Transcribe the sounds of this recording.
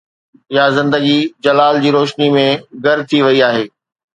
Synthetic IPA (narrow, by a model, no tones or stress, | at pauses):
jazɪ̃nd̪əɡid͡ʑɐlaːld͡ʑiːɾoːʃnimẽɡʱɐɾt̪ʰiʋɐiaːɦeː